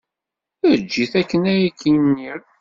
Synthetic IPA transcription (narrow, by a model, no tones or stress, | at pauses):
æd͡ʒːiθækːənæjikʰːijnːiɾ